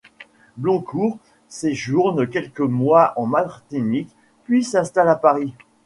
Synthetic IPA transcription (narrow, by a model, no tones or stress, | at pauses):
blɔ̃kʰuʁ | seʒuʁnəkʲɛlkəmwaʔɑ̃maʁt̪inik | pɥisɛ̃st̪alapaʁi